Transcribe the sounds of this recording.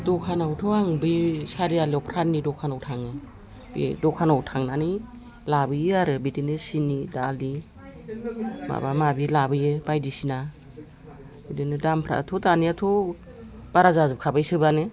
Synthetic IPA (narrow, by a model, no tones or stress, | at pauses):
dɔkʰanawtʰɔaŋbɯjsaɾialiɔpʰɾanːidɔkʰanawtʰaŋɯ | bḭdɔkʰanawtʰaŋnanɯj | labɯjaɾɯbidinɯsinidali | ma̰bamabilabɯjɯbajdisina | bidinɯdampʰɾa̰tʰɔtaniatʰɔ | b̥aɾazazɯp̚kʰabajsɯbanɯ